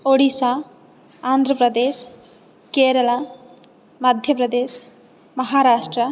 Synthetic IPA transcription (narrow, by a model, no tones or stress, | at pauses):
oɽisa | and̪ʱɾəpɾʌd̪es | keɾəla | məd̪ʱjəpɾəd̪es | mʌɦaɾasʈɾə